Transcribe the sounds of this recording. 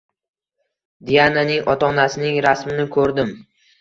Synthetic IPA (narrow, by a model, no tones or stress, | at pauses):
d̪ijananɪŋʔɒt̪ʰɒnasɪnɪŋɾasmɪnɪkʰɵɾd̪ɪm